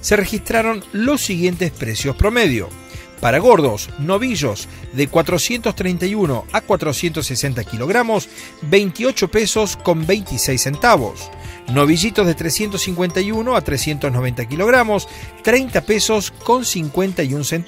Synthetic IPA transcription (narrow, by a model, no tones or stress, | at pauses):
se̞rexist̪ɾaɾo̞nlo̞sːiɣje̞nt̪espɾesjospɾomeðjo̰ | paɾaɣo̞ɾðo̞sno̞βiʒo̞s | ðekwat̪ɾosje̞nt̪ost̪ɾejnt̪ajuno̞̰akwat̪ɾosje̞nt̪osːesent̪akiloɣɾamo̞s | be̞jnt̪io̞t͡ʃo̞pe̞so̞sko̞mbe̞jnt̪isejsːe̞nt̪aβo̰sno̞β̞iʒit̪ozðe̞t̪ɾesje̞nt̪osiŋkwe̞nt̪ajunoat̪ɾesje̞nt̪oznoβe̞nt̪ak̬ilo̞ɣ̞ɾamo̞st̪ɾe̞jnt̪ape̞so̞sko̞nsiŋkwe̞nt̪ajunsen